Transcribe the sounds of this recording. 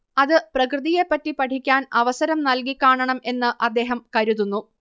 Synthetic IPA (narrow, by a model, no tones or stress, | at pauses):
ɐðɨprɐkrɨðijepːɐtːipɐʈʰikʲːaːnɐʋɐsɐɾɐmnɐlkikʲːaːɳɐɳɐme̞nːɨʔɐd̪ːe̞ːɦɐmkɐɾuðunːu